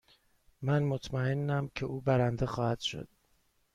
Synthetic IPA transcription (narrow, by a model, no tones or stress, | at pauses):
mænmot̪ʰmæenːæmcʰe̞ʔuːbæɾænd̪exɒːhæd̪̥ʃo̞̰d̪̥̚